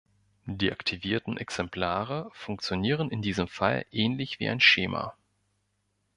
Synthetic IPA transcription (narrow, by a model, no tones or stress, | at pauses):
diːʔaktʰiviːɐtn̩ʔɛksɛmpl̥aːʁəfʊŋk̚t͡sjoniːʁənɪndiːzəmfalʔɛːnlɪçv̥ḭːʔaɪnʃḛːmʔa̰